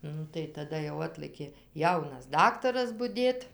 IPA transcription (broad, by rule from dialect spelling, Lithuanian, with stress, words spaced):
ˈnʊ tɐɪ tɐˈdɐ jɛʊ ˈɑːtlˠɘkʲeː ˈjɛʊnɐs ˈdɑːktɐrɐs bʊˈdʲeːt